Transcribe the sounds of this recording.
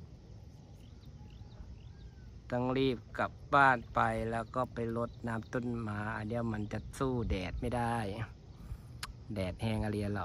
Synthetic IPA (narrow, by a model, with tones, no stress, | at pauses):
t̪a˧˥˨ŋliː˧˩p̚ka˨p̚baː˧˩t̪̚pa˨˧jlɛː˧˩wkɔː˧˩˨pa˨jlo˧˦t̪̚naː˧˥mt̪o˧˥˨nmaː˧˦ʔaː˨˧˩di˧ə˨wma˧˥nt͡ɕa˧˦suː˧˩dɛː˨˩t̪̚ma˥˩jda˥˩j | dɛː˨˩t̪̚hɛː˧˩ŋʔa˧li˧ə˧lɔ˧˨